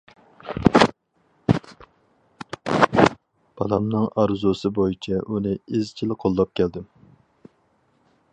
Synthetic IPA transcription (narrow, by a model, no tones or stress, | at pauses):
b̥ʰɑlˠɑmnɨŋɑɾzusɨbojit͡ʃʰɛʔunɪezt͡ʃʰilqʰolˠːɑp̚kʲʰɛld̪ɪm